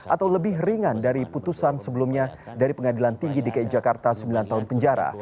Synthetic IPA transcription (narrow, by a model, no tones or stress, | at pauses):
ʔat̪awləbɪhriŋandaɾiput̪usansəbəlumɲadaɾipəŋadilant̪iŋɡidikaid͡ʒakart̪asəmbilant̪aɦʊnpəɲd͡ʒaɾa̰